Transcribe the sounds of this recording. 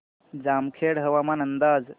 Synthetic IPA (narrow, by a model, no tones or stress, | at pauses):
d͡zaːmkʰeːɽɦəʋamaːnənd̪aːd͡z